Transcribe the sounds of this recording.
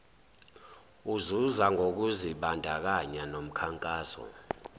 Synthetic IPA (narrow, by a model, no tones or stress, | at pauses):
uzuzaŋʱok̬uziɓandʱak̬aɲanom̩kʰaŋkʼaːsɔ̰